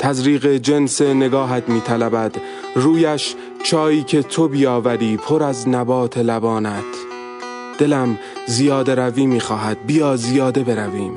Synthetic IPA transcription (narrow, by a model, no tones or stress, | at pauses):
t̪ʰæzɾiːɣe̞d͡ʒe̞nse̞ne̞ɡɒːɦæt̪miːt̪ʰælæbæd̪̥ | ɾuːjæʃ | t͡ʃʰɒːiːcʰe̞t̪ʰo̞biːjɒːvæɾiːpʰo̞ɾæznæbɒːt̪ʰe̞læbɒːnæt̪ʰ | d̪̥e̞læm | zijɒːd̪e̞ɾæviːmiːxɒːɦæd̪̥̚bijɒːzijɒːd̪e̞be̞ɾæviːm